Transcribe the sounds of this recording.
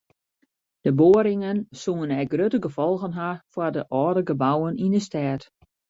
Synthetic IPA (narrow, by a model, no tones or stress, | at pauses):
d̥əboːɾɪŋənsuŋənɛjɡrøtəɡəfɔlˠɣənɦafwardəʔɔːdəɡəbawənindəstɛːt